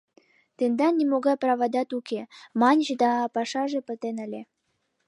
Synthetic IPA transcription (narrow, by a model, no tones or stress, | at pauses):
t̪end̪ɑnʲimoɣɑjprɑβɑd̪ɑt̪ukemɑnʲʑed̪ɑpɑʃɑʒepət̪enə̆lʲe